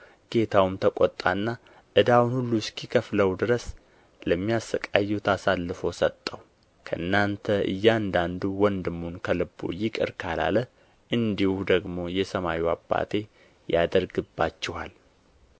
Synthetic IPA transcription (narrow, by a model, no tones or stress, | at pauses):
ɡ̥e̞t̪ʰawmt̪ʰəkʷʼɔt̪ʼa̰nːa | ʔɨd̪awunhulːuskikʰəfləwd̪ɨɾəs | ləmːijasəkʼajːɛwt̪ʰasalːɨfo̞sət̪ʼːəw | kʰəʔɨnːant̪ʰəʔɨ̰jːand̪and̪uwɔnd̪ɨmːunkʰəlɨbːo̰jɪkʼɨ̰ɾkʰala̰lə | ʔɨnd̪ihud̪əɡmo̞jɛsəmawiwa̰bːa̰t̪ʰe̞ | jad̪əɾɡɨbːat͡ʃːɪhal